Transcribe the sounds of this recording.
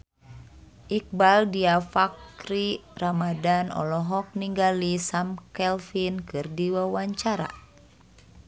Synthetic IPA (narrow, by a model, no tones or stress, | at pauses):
ʔik̚baldiafakɾiramadanɔ̰lɔɦɔk̚niŋɡalisamkɛlfinkɨrdiwawaɲt͡ʃaɾa̰